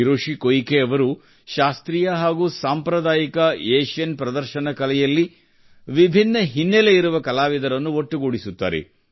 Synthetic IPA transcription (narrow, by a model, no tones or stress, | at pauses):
iɾoːʃikojkeɐʋɐɾu | ʃaːst̪ɾijɐɦaːɡuːsaːmpɾɐd̪aːjikɐeːʃjɐnpɾɐd̪ɐɾʃɐnɐkɐlɛjɐlːi | ʋibʱinːɐɦinːeleiɾuʋɐkɐlaːʋid̪ɐɾɐnːuoʈːuɡuːɽisut̪ːa̰ːɾḛ